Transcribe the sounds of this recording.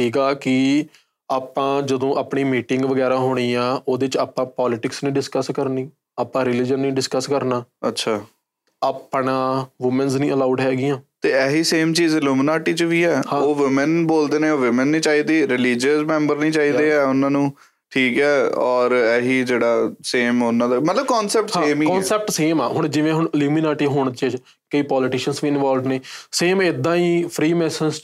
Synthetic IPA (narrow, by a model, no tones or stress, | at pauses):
ʈʰiːkaːkɪ | aːpãːd͡ʒəd̪õːʔaːpɳiːmiːʈɪŋɡʋəɡɛːɾaːɦoːɽ̃iːãːʔoːd̪eːt͡ʃaːpãːpaːlɪʈɪksnĩːɖɪskəskəɾniː | aːpãːɾɪlɪd͡ʒənːĩːɖɪskəskəɾnaːətːʃʰaː | aːpɳãːʋʊmənznĩːəlaːuːɖɦɛːɡijãːt̪eːɛːɦiːseːmt͡ʃiːzəluːmənaːʈiːt͡ʃəʋiːɛːhãoːʋɪmənboːld̪eːneːoːʋɪmənːĩːt͡ʃaːiːd̪iːɾɪliːd͡ʒəsmɛ̃ːmbəɾnĩːt͡ʃaːiːd̪eːɛːʊnãːnũː | ʈʰiːkɛːɔːɾɛːɦiːd͡ʒeːɽaːseːmʊnãːd̪aːmət̪ləbkɔːnsɛːp̚ʈseːmiːkɔ̃ːnsɛːp̚ʈseːma̰ːɦʊɳ̃d͡ʒɪʋẽːɦʊɳəluːminaːʈiːɦoːɳ̃t͡ʃː | kəiːpɔːlɪʈɪːʃənsʋiːɪnʋaːlɖneːseːmɪd̪ːãːiːpʰɾiːmɛːsəns